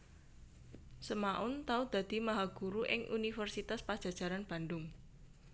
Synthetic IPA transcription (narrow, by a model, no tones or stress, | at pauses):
səmaʔʊnt̪aud̪̥ä̤d̪̥i̤maɦaɡ̥uɾuʔɪŋʔunifərsit̪aspad̥ʒ̥a̤̥ʒ̥a̤ɾanb̥a̤ndʊŋ